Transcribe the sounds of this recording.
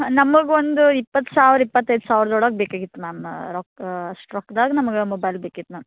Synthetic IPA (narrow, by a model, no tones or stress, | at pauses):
nɐmːɐɡeond̪uipːɐt̪ːsaːʋɾipːɐt̪ːɐjd̪usaːʋɾd̪ɔɽɐːk̚bekaːɡit̪ːumaːmɾɔkɐʂʈɾɔkːd̪aːɡɐnɐmɐɡemɔbɐjlbeːkit̪ːumaːm